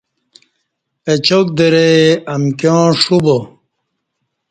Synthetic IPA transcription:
et͡ɕok̚d̪eɾeɐmkjõːʂubo

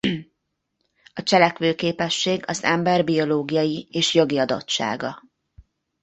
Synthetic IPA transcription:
ɒt͡ʃɛlɛkʋøːkeːpɛʃːeːɡɒzɛmbɛrbio̞loːɡijɒjieːʃjo̞ɡiɒd̪o̞̰tt͡ʃːa̰ːɡɒ

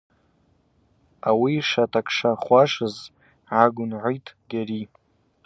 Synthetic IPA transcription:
awiʂatʰʼakʰʂaχʷaʂɨz | ʕaɡʷʊnʕʷojtʼʰɡaɾi

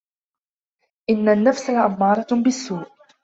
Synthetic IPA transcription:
ʔɪnːanːafsalʔamːɑːɾˤɑbɪsːuːʔ

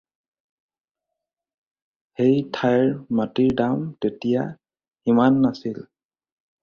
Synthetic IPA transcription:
hejtʰajɹmatiɹdamtetija | imanːasil

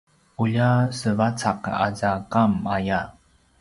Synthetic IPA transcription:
ʔuʎasəvat͡saqa̰zakamaja

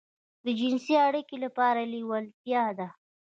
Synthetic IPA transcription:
d̪əd͡ʒɪnsiaɽikelapɑɾaliwəlt̪jɑd̪a

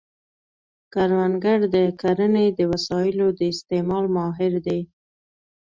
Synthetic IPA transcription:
kaɾwanɡaɽd̪əkaɾəned̪əwasɑjɪlod̪əɪst̪emɑlmɑɦɪɾd̪e

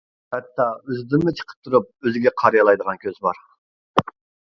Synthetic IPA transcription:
hɛt̪ːɑøzd̪ɪmmɪt͡ʃʰə̥qʰə̥p̚t̪ʰuɾup̚øzɡʲɛqʰɑɾijɑlˠɑjd̪əʁɑnkʲʰøzbɑɾ

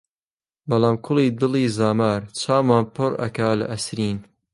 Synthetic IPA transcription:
bɐlaːmkʰʊliːd̪ɨliːzaːmaːɾt͡ʃʰaːmaːnpʰɨrɐ̰kaːlɐ̰ʔɐsɾiːn

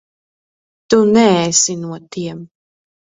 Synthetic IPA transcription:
t̪unɛɛsinuɔt̪iɛm

